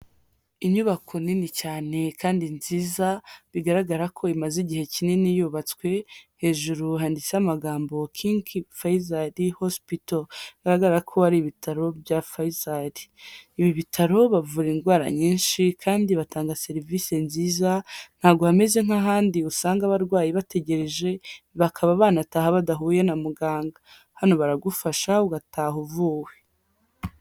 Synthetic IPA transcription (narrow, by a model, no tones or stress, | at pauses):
iɲuβakʰo̞ninicaːne̞kʰaːndinziːzaβiɡaɾaɡaɾakʰo̞imaziɟihe̞cininijuːβat͡swe̞he̞ːʒuɾuɦaːndit͡seamaɡaːmbo̞kʰiːŋkʰifajizaɾihospitoɡaɾaɡaɾɾakʰo̞haɾiβitaɾo̞bjafaizaɾiːβiβitʰaɾo̞βavuːɾinɡwaːɾa̰ɲiːnʃikʰaːndiβatʰaːŋɡase̞ɾivise̞nziːzan̥haːbɡo̞hameze̞ŋ̥haɦaːndiusaːŋɡaβaɾɡwaːjiβate̞ɟe̞ɾe̞ʒe̞ | βakʰaβaβaːnatahaβadaɦuːje̞namuɡaːŋɡa | hano̞βaɾaɡufaʃauɡatʰaːɦuvuːwe